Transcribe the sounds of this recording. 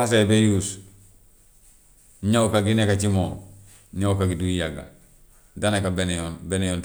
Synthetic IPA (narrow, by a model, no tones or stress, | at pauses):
as̬ebejuːs | ɲaukaɡinekat͡ʃimoː | ɲaukaɡiduijaɡa̰ | danekabenonbenejon